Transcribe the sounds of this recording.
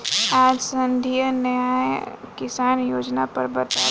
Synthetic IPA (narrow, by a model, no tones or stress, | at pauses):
aːd͡ʒsɐ̃nd̪ʱijənɐjaːjkɪsaːnjoːd͡ʒnapɐɾbɐt̪aː